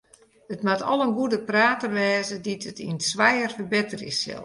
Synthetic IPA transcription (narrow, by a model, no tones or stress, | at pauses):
ətmatʰɔ̰lˠənɡudəpraːtərʋɛːzəditʰətḭnsʋɛjərfərbɪtərḭsɪ̰lˠ